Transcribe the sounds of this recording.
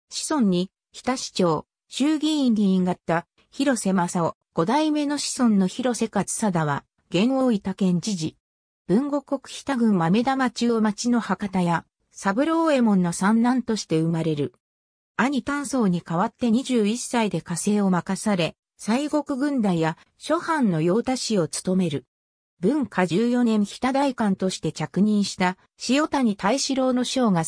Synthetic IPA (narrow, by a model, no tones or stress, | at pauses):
ɕi̥sõ̞ɲ̟ːi | çi̥t̪aɕi̥t͡ɕo̞ː | ɕɨːɡʲiĩɲːiiŋɡat̪ːa | çiɾo̞se̞masao | ɡ̥o̞d̪aime̞no̞ɕi̥sõ̞nːo̞çiɾo̞se̞kat͡sɨ̥sad̪aβa | ɡ̥ẽ̞ɰ̃o̞ːit̪akẽ̞ɲ̟d͡ʑiʑi | b̥ɯ̟̃ŋɡo̞ko̞kɯ̟̥çʲi̥t̪aɡɯ̟̃mmame̞d̪amat͡ɕɨːmat͡ɕino̞hakat̪aja | sabɯ̟ɾoːe̞mõ̞nːosãnːãnt̪o̞ɕi̥t̪e̞ɯ̟maɾe̞ɾɯ̟ | aɲ̟it̪ãɰ̃so̞ːɲ̟ikaβat̪ːe̞ɲ̟iʑɨːisːaid̪e̞kase̞ːo̞makasaɾe̞ | saiɡo̞kɯ̟ɡɯ̟̃nd̪aija | ɕo̞hãnːo̞jo̞ːt̪aɕio̞t͡sɨ̥t̪o̞me̞ɾɯ̟ | bɯ̟̃ŋkad͡ʑɨːjo̞nẽ̞ɰ̃çi̥t̪ad̪aikãnt̪o̞ɕi̥t̪e̞t͡ɕakɯ̟ɲ̟ĩɰ̃ɕi̥t̪a | ɕijo̞t̪aɲ̟it̪aiɕiɾo̞ːno̞ɕo̞ːɡa